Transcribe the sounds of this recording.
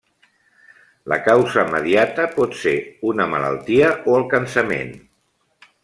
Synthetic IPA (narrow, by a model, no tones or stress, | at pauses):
lə̰kawzəməðiat̪əpɔt̪seunəmələ̰lˠt̪iəʔoəlˠkənsəmḛn